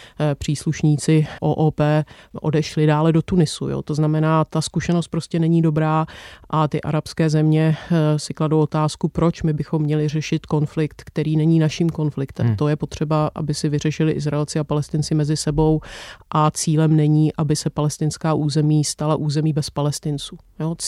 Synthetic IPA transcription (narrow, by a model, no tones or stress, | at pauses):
pr̝̥iːsluʃɲiːt͡sɪʔo̰ːʔoːpɛːʔo̞̰dɛʃlɪdaːlɛdo̞t̪unɪsṵjo̰ːt̪o̞znamɛnaːt̪askuʃɛnost̪̚pɾoscɛnɛɲiːdo̞bɾaːʔat̪ɪʔa̰ɾapskɛːzɛmɲɛsɪkladowʔot̪aːskupɾo̞t͡ʃmɪbɪxo̞mːɲɛlɪr̝ɛʃɪt̪ko̞nflɪk̚t̪kt̪ɛɾiːnɛɲiːnaʃiːmko̞nflɪkt̪ɛ̰mt̪o̞jɛpo̞t̪r̝̥ɛbaʔa̰bɪsɪvɪr̝ɛʃɪlɪʔɪzɾaɛlt͡sɪapalɛst̪ɪnt͡sɪmɛzɪsɛbo̞wʔat͡siːlɛmnɛɲiːʔabɪsɛpalɛst̪ɪnskaːʔuːzɛmiːst̪alaʔuːzɛmiːbɛspalɛst̪ɪnt͡suːjo